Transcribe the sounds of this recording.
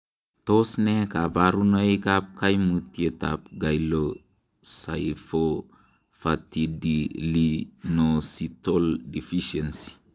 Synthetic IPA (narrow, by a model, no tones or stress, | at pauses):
tosnekabaɾunaikap̚kajmutieta̰p̚ɡajlo | sajfo | fatidilinositoldifiʃensi̥